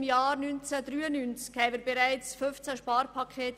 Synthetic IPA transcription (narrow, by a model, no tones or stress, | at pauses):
mjaːɾnynt͡sədɾyːənynt͡skhɛɪvəɾbeɾaɪt͡sfʏnft͡sæʃpɑːɾpʰɑkʰeːt